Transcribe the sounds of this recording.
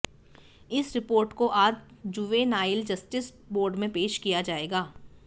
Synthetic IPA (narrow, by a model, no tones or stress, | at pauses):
ɪsɾɪpoːɾʈkoʔaːd͡ʒd͡ʒuʋenaːɪld͡ʒɐsʈɪs | boːɾɖmẽpeːʃkijad͡ʒaːeːɡaː